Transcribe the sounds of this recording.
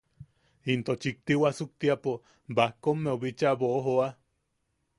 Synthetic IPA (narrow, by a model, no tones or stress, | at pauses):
int̪ot͡ʃik̚t̪iwasuk̚t̪iapo | bahkomːeoβit͡ʃaβoʔoɦoa